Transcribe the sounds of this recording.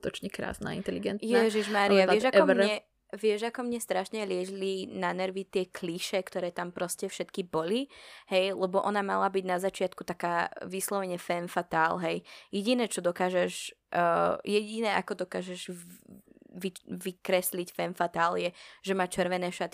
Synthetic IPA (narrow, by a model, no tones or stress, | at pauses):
t̪ɔt͡ʃɲɛkɾa̰ːsna̰ːḭnt̪ɛliɡɛnt̪jɛʒiʒmaːɾiaʋɪɛʒakɔmɛ | ʋɪɛʒakɔmɲɛst̪ɾaʃɲɛlɪɛʒilinanɛɾʋit̪ɪɛkliʃɛkt̪ɔɾɛːt̪ampɾɔscɛfʃɛt̪kibɔlihɛjlɛbɔʔɔnamalabiɟnazat͡ʃɪat̪kut̪akaːʋislɔʋɛɲɛfɛnfat̪aːlɦɛjjɛɟinɛːt͡ʃɔd̪ɔkaːʒɛʒ | jɛɟinɛakɔd̪ɔka̰ːʒɛʒ | ʋiʋikɾɛslicfɛːnfat̪aːljɛʒ̥ɛmaːt͡ʃɛɾʋɛnɛːʃat̪i